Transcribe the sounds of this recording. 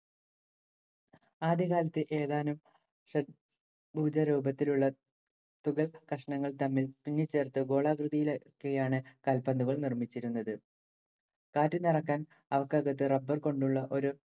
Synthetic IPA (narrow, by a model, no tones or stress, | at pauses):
aːd̪jɐɣaːlɐt̪ːɨʔe̞ːðaːnum | ʂɐ | bʱuːd͡ʑɐɾuːbɐt̪ːiluɭːɐ | t̪uɣɐlkɐʂɐɳɐŋːɐɭt̪ɐmːilt̪unːjɐt͡ɕːe̞ːrt̪ɨɡo̞ːɭaːkrɨðijilokːejaːɳɨkɐlpɐnd̪uɣɐɭnirmit͡ɕːiɾunːɐðɨ | kaːtːɨnɐrɐkːaːn | ɐʋɐkːaːɡɐt̪ːɨrɐbːɐrko̞ɳɖuɭːɐʔo̞ɾu